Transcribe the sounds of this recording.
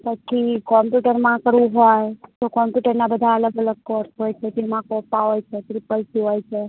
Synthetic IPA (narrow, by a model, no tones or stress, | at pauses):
pət͡ʃʰikɔmpjuʈəɾmãkəɾʋũɦojt̪okɔmpjuʈəɾnabəd̪ʱaələɡələɡ̚kɔɾsɦojt͡ʃʰet̪emãkɔpːaɦojt͡ʃʰet̪ɾipːəlsiɦojt͡ʃʰe